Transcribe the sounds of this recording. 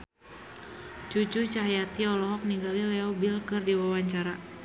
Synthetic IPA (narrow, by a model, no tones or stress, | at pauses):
t͡ʃut͡ʃut͡ʃaɦjat̪iɔlɔɦɔk̚niɡalilɛɔbilkɨrdiwawaɲt͡ʃaɾa